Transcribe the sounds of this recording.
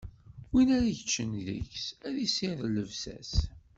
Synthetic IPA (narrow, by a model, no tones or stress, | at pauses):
winæɾæʝət͡ʃːənðə̰çsæðisɪðlːəvsæ̰s